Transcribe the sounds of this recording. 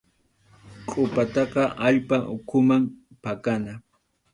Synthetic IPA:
qʼʊpat̪ɑqɑʔaʎpaʔʊkʰʊmam | pakana

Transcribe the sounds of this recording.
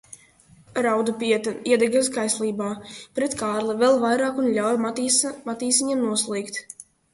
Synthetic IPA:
ɾawd̪upʲiɛt̪aiɛd̪ɛɡaskajslʲˠiːbaːpɾɛt̪kʰaːɾlˠɛvɛlˠvajɾaːkunʎʲawjmat̪iːsiɲimnuɔslˠiːkt̪

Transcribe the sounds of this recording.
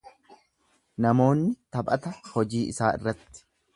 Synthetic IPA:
nɐmo̞ːnːɪt̪ɐbʼɐt̪ɐhɔd͡ʒiːʔɪsaːʔɪ̰rːɐt̪ːɪ̥

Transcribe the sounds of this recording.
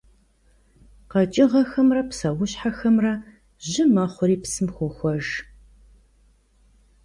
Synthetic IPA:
qɐt͡ʃʼɪʁɐxɐmrɐpsɐwʊɕħaxɐmrɐ | ʑɪmɐχʷʊɾiːpsɨmxʷʊxʷɔʒ

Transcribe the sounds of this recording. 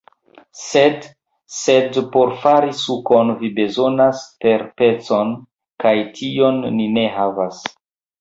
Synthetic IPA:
sed | sedpo̞ɾfaɾisuko̞nvibe̞zo̞naspe̞ɾpe̞t͡so̞n | kajtʰio̞nːine̞ɦavas

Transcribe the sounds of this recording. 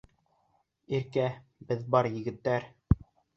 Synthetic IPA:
iɾkæ | bɘðbɑɾjɘ̆ɡɘ̆t̪ːæɾ

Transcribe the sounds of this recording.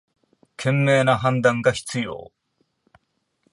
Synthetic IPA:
kʰe̞mːeːnaɦãnd̪ãŋɡaçi̥t͡sɨjo̰ː

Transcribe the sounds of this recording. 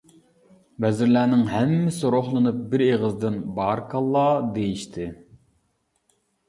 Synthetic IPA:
bɛzɪɾlæːnɪŋɦæmːɪsɪɾoχlˠɨnɨp̚bɪɾeʁəzd̪ɨnbɑɾkʰɑlˠːɑːd̪ejiʃt̪ʰɪ

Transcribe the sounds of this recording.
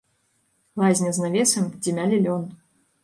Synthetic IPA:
lˠazʲnʲɐznavʲɛsɐmd͡zʲimʲalʲilʲɔn

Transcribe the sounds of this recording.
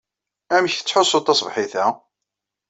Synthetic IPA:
æmçθə̥t͡sːħosˤːot̪ˤːɑsˤvħiθæ

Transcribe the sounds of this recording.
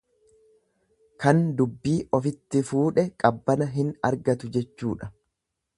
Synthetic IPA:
kɐnd̪ʊbːiːʔɔfɪt̪ːɪfuːᶑɛkʼɐbːɐnɐɦɪnɐ̰ɾɡɐt̪ʊd͡ʒɛt͡ʃːṵːᶑɐ̥

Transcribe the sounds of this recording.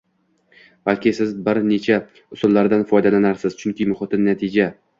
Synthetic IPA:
b̥alkʲɪsɪzbɪɾne̞t͡ʃʰa | ʊsʊlˠːaɾd̪anfɒjd̪alanaɾsɪz̥t͡ʃʰʊŋkʲɪmʊχɨt̪ʰɪnːat̪ʰɪd͡ʒa

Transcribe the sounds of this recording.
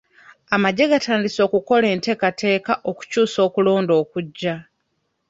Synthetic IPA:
amaɟe̞ɡatʰaːndiso̞ːkuko̞le̞ːnte̞ːkate̞ːkaʔo̞ku̥cuːso̞ːkulo̞ːndo̞ːkuɟːa

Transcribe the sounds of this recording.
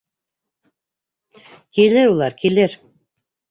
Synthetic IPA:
kilɘɾulˠɑɾkilɘɾ

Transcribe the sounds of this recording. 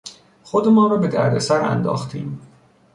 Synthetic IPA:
xod̪emɒːɾɒːbe̞d̪æ̰ɾd̪esæɾæ̰nd̪ɒ̰ːxt̪ʰḭːm

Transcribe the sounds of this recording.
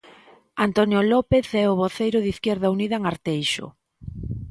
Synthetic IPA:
ant̪onjolɔpeθɛoβoθejɾʊðiθkjɛɾðauniðɐeŋaɾt̪ejʃo̰

